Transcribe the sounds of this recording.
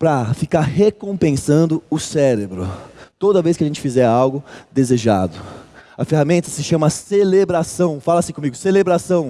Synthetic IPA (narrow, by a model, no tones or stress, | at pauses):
pɾɐfikaɾhekõpẽsɐ̃nd̪ʊʊsɛɾebɾʊ̰t̪od̪ɐvejskɪɐʒẽnt͡ʃɪ̥fizɛɾawɡʊd̪ezeʒa̰d̪ʊɐfeɦamẽnt̪ɐsɪʃɐ̃mɐselebɾasɐ̃w̃falɐasĩkõmiɡʊselebɾasɐ̃w̃